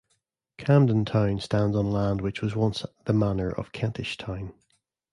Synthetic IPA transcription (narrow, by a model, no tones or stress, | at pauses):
kʰãmdə̃ntʰãʊ̃nstãndzn̩lˠãndwɪt͡ʃwɒzwʌ̃nsðəmanə˞ʔə̰v̥kʰɛ̃ntʰɪʃtʰãʊ̃n